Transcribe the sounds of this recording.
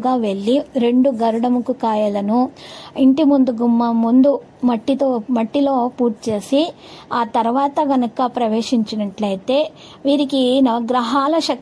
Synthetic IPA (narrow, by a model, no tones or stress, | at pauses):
ɡaːʋe̞ɭːiɾe̞ɳɖuɡɐɾuɽɐmukukaːjɐlɐnuiɳʈimund̪uɡumːɐmund̪u | mɐʈːit̪oːmɐʈːiloːpuːɾt͡ʃeːsi | aːt̪ɐɾɐʋaːt̪ɐɡɐnɐkɐpɾɐʋeːʂiɲt͡ʃɐnɐʈlɐjt̪e̞ː | ʋiːɾikinɐɐɡɾɐɦaːlɐʃɐk